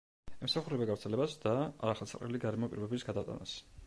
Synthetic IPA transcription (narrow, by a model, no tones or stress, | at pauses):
ɛmsaχuɾɛbaɡavɾt̪sʰɛlɛbasd̪aa̰ɾaχɛlˠsʰaqʼɾɛ̰liɡaɾɛmɔpʼḭɾɔbɛbisɡad̪at̪ʼa̰na̰s